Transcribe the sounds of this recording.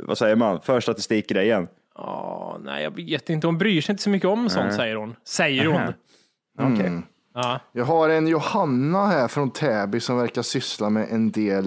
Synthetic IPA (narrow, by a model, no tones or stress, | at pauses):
va̰sɛjːəmanfœʂʈat̪ɪst̪ɪkːəɾɛɪjɛnː | ɑ̰næ̰ɪjɑ̰ːɡveːt̪ɪnt̪əhʊnbɾyːʂɛjɪnt̪əsɔmʏkːəɔmːɛnsɔnt̪sɛjːəɾhʊnsɛjːəɾhʊn | jɑːɡɦaɾɛnjʊhanːahæɾfɾɔnt̪ʰɛːbɪsɔmvæɾkaʂʏslamɛʔɛnd̪eːl